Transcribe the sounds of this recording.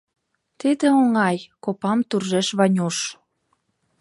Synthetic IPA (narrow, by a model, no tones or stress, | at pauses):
t̪id̪ĕoŋɑjkopɑmt̪urʒeʃβɑnʲuʃ